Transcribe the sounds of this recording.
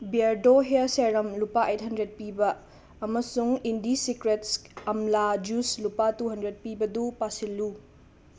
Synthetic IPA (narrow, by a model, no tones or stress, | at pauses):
biaɾdoɦeseɾɐmlupaʔejt̚ɦɐndɾet̚pibɐː | mɐsuŋindisikɾetsɐmlad͡ʒuslupatuɦɐndɾet̚pibɐdupasilːu